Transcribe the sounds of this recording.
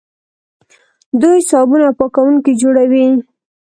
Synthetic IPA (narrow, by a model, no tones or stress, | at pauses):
d̪ujsɑbunapɑkawuŋkid͡ʒoɽawi